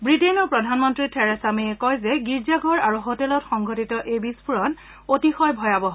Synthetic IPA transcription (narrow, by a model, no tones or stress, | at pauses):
bɹitenɔpɹɔdʱanmɔntɹitʰɛɹɛsamiɛkɔjzɛɡiɹzaɡʱɔɹaɹuɦotɛlɔtxɔŋɡʱotitɔʔejbispʰuɹɔn | otixɔjbʱɔjabɔɦ